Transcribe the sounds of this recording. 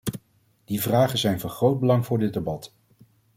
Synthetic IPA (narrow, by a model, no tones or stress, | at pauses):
d̥ivraːχənzɛjnvɑnχrowd̚bəlɑŋvʊːɹdɪd̚debɑt